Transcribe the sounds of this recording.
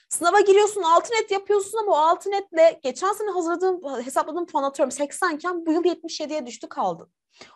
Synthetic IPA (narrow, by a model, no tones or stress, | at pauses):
sɯnavaɟiɾijoɾsunalˠt̪ʰɯnɛt̪japʰɯjosunamaoalˠt̪ʰɯnɛt̪lʲɛɟet͡ʃʰænsenɛɦazɯɾlˠad̪ɯːnɦe̞saplˠad̪ɯːmpʰanat̪ʰøɾimsɛcsæncʰænbujɯlˠjɛt̪̚miʃjed̪ijɛd̪yʃt̪ʰykʰalˠd̪ɯn